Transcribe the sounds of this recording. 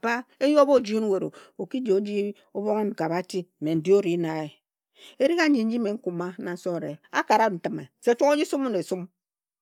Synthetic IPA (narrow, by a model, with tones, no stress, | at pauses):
ba˦e˦jo˦bo˦˨d͡ʒi˦nu˦we˨ɾo̰˨o˨ki˦d͡ʒo˨˦d͡ʒi˦ | o˦bo˦ŋe˦ŋ̩˨ka˨ba˦ti˦˨me˨n̩˨di˦o˦ɾi˨˦na˨e˨ | e˦ɾi˦ɣa˦d͡ʒi˨n̩˦d͡ʒi˦me˨ŋ̩˦ku˨ma˦na˨n̩˦so˦˨ɾe˨a˦ka˨ɾa˦n̩˨tɨ˦me˨se˦t͡ʃo˦ŋo˦d͡ʒi˦su˦mu˦ne˨su˦m